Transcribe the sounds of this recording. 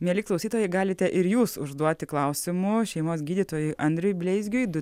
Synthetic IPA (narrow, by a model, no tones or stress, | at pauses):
mʲiɛlʲɪklˠɐʊsʲiːt̪oːjɛɪɡɑːlʲɪt̪ʲɛʔɪɾjuːsʊ̰ʒd̪uɔt̪ʲɪklˠɐʊsʲɪmʊʃʲɛɪmoːsɡʲiːd̪ʲiːt̪oːjʊɪʔɐnʲd̪ʲɾʲʊjbʲlʲɛɪzʲɡʲʊjd̪ʊ